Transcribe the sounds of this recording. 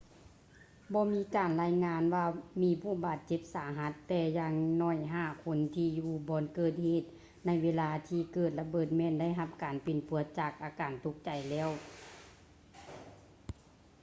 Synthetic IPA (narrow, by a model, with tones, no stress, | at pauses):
bɔː˧miː˧˥kaː˨˩nlaː˧˥jŋaː˧˥nwaː˧miː˧˥pʰuː˧˩˨baː˨˩t̪̚t͡ɕe˧˦p̚saː˨˦ɦa˧˦t̪ːɛː˧jaː˧ŋnɔː˧˩jɦaː˧˩kʰo˧˥nt̪ʰiː˧juː˧bɔː˧˦nkɤː˧˩t̪̚heː˧˩t̪̚ | na˧˥jʋeː˧˥laː˧t̪ʰiː˧kɤː˧˩t̪̚la˧bɤː˨˩t̪̚mɛː˧˨nda˥˩jɦa˧˥p̚kaː˨npi˨˩npu˨˦ət̪̚t͡ɕaː˧˩k̚ʔaː˨˩kaː˨˩nt̪ʰu˧˦k̚t͡ɕa˨˩jlɛː˧˥˨w